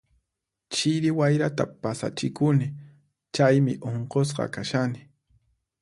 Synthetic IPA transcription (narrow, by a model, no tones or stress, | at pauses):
t͡ʃɪɾɪwajɾat̪apasa̰t͡ʃɪkʊnɪ | t͡ʃajmɪ̰ʔoɴqos̬qɑ̰kaʃanɪ